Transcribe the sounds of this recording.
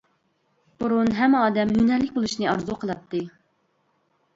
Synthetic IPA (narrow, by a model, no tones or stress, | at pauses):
b̥uɾunɦɛmːɑːd̪ɛmjynɛlːɪkʲbolˠuʃnɨɑɾzuqʰəlˠɑt̪ʰːɨ